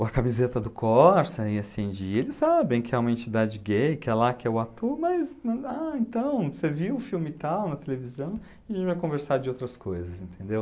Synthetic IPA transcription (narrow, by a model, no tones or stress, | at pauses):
ɐkamizet̪ɐd̪ʊkʰɔɾsɐiɐsẽd͡ʒielɪsːabẽj̃kɪɛũmɐẽnt͡ʃid̪ad͡ʒɪɡejkɪɛlakɪɛʊat̪uɾmɐznaẽt̪ɐ̃w̃seviʊfiwmɪt̪awnɐt̪elevizɐ̃w̃ɐʒʒẽt͡ʃɪvajkõveɾsad͡ʒɪowt̪ɾɐskojzɐsẽnt̪ẽnd̪ew